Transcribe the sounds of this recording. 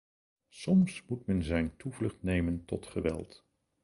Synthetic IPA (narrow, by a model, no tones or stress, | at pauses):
sɔmsmutmɛnzɛjntuvlɵχtnejməntɔ̰tχəʋɛ̰lˠt